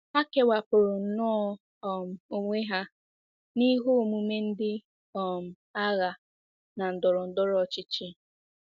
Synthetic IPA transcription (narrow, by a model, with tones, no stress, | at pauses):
a˦ke˨wa˨pʊ˨ɾʊ˨n̩˨nɔ˦ɔ˦ | ɔ˨m̩˨o˦ŋʷe˦ɦa˦ | ni˦ɦo˦˨mu˨me˦n̩˦dɪ˦ | ɔ˨m̩˨ | a˦ɣa˨ | na˨n̩˨dʊ˨ɾʊ˨n̩˨dʊ˦ɾɔ˨t͡ʃɪ˦t͡ʃi˦